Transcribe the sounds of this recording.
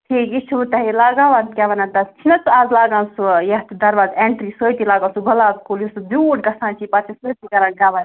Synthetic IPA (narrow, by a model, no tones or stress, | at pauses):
ʈʰiːkit͡ʃʰut̪ɐɦilaːɡaːʋaːnt̪kʲaːʋɐnant̪ɐst͡ʃʰinɐt͡suaːzlaːɡãːnsujɐɦt̪d̪ɐɾʋaːzeɳʈɾiːsoːjt̪ilaːɡaːsuɡɐlaːt̪kulisubuːʈɡɐsãːnt͡ʃʰipat͡ʃʰisoːt̪ikɐɾãːnɡaːʋan